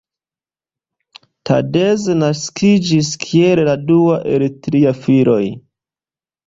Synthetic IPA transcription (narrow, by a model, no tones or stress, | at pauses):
ta̰de̞zenaskʰid͡ʒiskʰielladuaʔḛɾetɾiafiɾo̞j